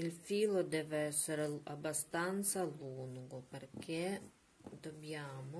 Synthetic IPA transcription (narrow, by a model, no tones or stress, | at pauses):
ilfiːlod̪ɛːveɛsːeɾeabːast̪ant̪saluŋɡoperkʰe | d̪objaːmo